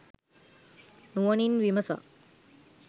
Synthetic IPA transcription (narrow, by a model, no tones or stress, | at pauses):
nuʋɐɳinʋiməsa̰